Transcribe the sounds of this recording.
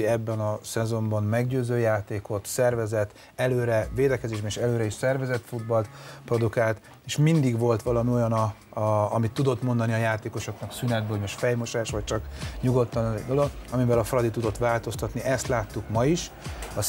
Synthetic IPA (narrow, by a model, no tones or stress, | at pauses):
iɛbːɛnɒsɛzo̞mbɒmmɛɡɟøːzøːjaːt̪eːko̞t̪sɛrvɛzɛt̪ | ɛløːɾɛveːd̪ɛkɛzeːʒbɛnʃɛløːɾɛiʃsɛrvɛzɛt̪fud̪bɒlt̪pro̞d̪ukaːlt̪ | eːʃmind̪iɡʋo̞lt̪ʋɒlɒmio̞jɒnɒː | mit̪ːud̪o̞t̪mo̞nd̪ɒniɒjaːt̪eːko̞ʃo̞knɒksynɛd̪̚bomoʃt̪fɛjmo̞ʃaːʃʋɒc̚t͡ʃɒkɲuɡo̞t̪ːɒnɒzd̪o̞lo̞ɡɒmivɛlɒfrɒd̪it̪ud̪o̞t̪ʋaːlt̪o̞st̪ɒt̪niʔɛst̪laːt̪ːukmɒiʃ | ɒ